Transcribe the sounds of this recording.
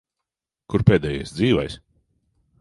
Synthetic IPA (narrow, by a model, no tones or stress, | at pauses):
kuɾpeːd̪ɛːjajsd̪ziːvajsʲ